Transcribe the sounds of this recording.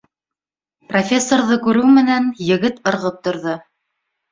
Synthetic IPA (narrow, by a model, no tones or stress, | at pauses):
profʲe̞sːorðɤkʉɾʉwmɘ̆nænjɘ̆ɡɘt̪ɤ̆ɾʁɤp̚t̪ŏɾðɤ